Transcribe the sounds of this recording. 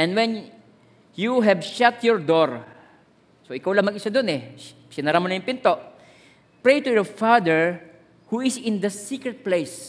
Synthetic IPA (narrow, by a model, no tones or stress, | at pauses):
ʔɛ̃nd̪wɛ̃n | juɦɛbʃat̪jɔɹd̪oɹ | soʔɪkawlɐŋmɐɡɪsad̪ʊnɛ | sɪnɐɾamonɐjʊŋpɪnt̪oʔ | pɹejt̪ujɔɹfad̪ɛɹ | huɪsɪ̃nd̪ɐsikɹɛd̪̚plejs